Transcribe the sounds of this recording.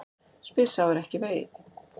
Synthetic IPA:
spɪ̥sawɛɾɛhcɪveːjðɪ

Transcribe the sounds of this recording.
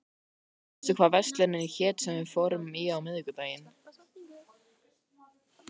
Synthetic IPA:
ɛ̥t̪ʏkʰvaːvɛst̪lɛnɪnçɛːt̪sɛmvɪfɔɾʏmɪawmɪðkʏt̪aːjɪn

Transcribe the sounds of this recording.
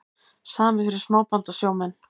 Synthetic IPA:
saːmɪfɪɾɪɾ̥smaːwpant̪asjoːwmɛnː

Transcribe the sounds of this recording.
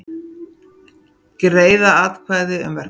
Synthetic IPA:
kɾeːjðaaːðkʰvaːjðɪʏ̰mvɛ

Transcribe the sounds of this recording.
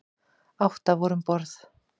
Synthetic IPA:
awht̪avɔɾʏmpɔɾθ

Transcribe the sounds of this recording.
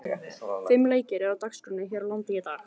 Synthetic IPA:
fɪmːleːjcɪɾɛawt̪akskɾœnːɪçɛːɾalant̪ɪjɪt̪a

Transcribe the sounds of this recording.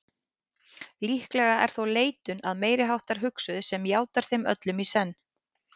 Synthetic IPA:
lihklɛɣaʔɛ̰ɾ̥θowleːjt̪ʏna̰ðmeːjɾɪɦawht̪aɾ̥ɦʏksʏðsɛmjaːwt̪aɾ̥θejmœ̰t̪lʏmisɛnː

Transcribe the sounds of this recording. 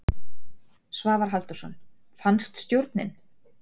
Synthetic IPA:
svaːvaɾ̥ɦal̥t̪ʏ̥sɔ̰n | fanst̪st̪jowɾt̪nɪ̰n

